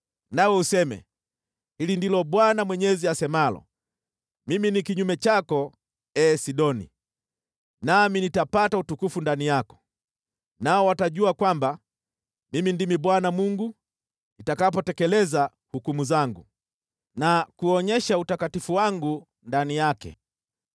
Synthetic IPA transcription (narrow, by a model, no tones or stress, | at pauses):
nawɛusɛmɛ̰ | hilindilɔbwanamwɛɲɛziasɛmalɔ̰ | miminikiɲumɛt͡ʃakɔ | ɛːsiɗɔnḭ | naminitapatautukufundanijakɔ̥ | naɔwataʄuakwamba | mimindimiɓwanamuŋɡu | nitakap̬ɔtɛkɛlɛza | hukumuzaŋɡu | nakuɔɲɛʃautakatifuwaŋɡu | ndanijakɛ̰